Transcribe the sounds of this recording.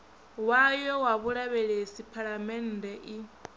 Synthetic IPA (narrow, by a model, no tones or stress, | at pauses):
wajɔwaβuɺaβɛɺesipʰaɺamɛn̩dɛʔi